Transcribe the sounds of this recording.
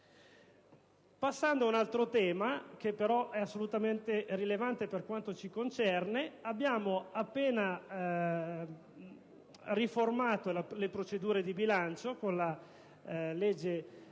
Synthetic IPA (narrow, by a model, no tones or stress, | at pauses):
pasːand̪oaunalt̪ɾot̪ɛːmak̟epːeɾɔʔɛasːolut̪ament̪erilevant̪eperkwant̪ot͡ʃikont͡ʃɛrneabːjaːmoapːeːna | riformaːt̪olalepɾot͡ʃed̪uːɾed̪ibilant͡ʃokonla | led͡ʒːe